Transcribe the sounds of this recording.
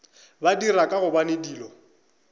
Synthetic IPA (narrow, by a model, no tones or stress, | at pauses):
badiɾakʼaɣʊbanediːlɔ